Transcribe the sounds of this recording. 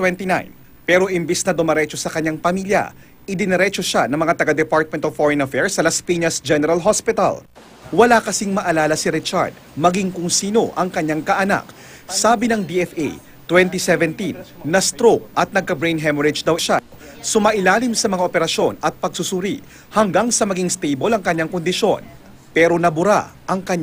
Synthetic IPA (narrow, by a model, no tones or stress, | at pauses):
t̪wɛnt̪ina̰jn | pɛːɾo̞ʔɪmbisnɐd̪ʊmɐɾɛt͡ʃo̞sɐkɐɲːaŋpɐmiljɐ̰ | ʔɪd̪ɪnɐɾɛt͡ʃoʃanɐŋmɐŋat̪ɐɡad̪ɛpaɹt̪̚mɛnt̪ovfoɹɛnɐfɛɹsɐlɐspiɲɐsd͡ʒɛnɛɾɐlɦospɪt̪ɐ̰l | wɐlakɐsiŋmɐʔɐlaːlɐsiɾɪt͡ʃa̰ɹd̪̚mɐɡiŋkʊŋsiːno̞ʔɐŋkɐɲːaŋkɐʔɐna̰k̚ | saːbinɐŋd̪iʔɛfʔḛj | t̪wɛnt̪isɛvɛnt̪inːɐst̪ɾokʔɐt̪̚nɐɡ̚kɐbɹejnɦɛmoɾɪd͡ʒd̪ɐwʃa | sʊmaʔɪlaːlimsɐmɐŋaʔopɛɾɐʃjo̞nɐt̪̚pɐɡ̚sʊsʊɾḭ | hɐŋɡaŋsɐmɐɡiŋst̪ejbo̞lɐŋkɐɲːaŋkond̪ɪʃo̞̰n | pɛːɾo̞nɐbʊɾa̰ʔɐŋkɐɲ